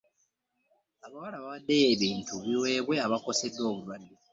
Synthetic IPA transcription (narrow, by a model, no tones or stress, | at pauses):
aβawalaβaβad̪ːeːβiːntʰuβiwe̞ːβwe̞aβako̞se̞dːo̞ːβulwadːe